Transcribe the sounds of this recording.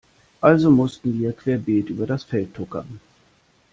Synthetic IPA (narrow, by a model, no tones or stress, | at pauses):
ʔalzomʊstn̩viːɐkv̥eːɐbeːtʔyːbɐɾasfɛltʰːʊkɐ̰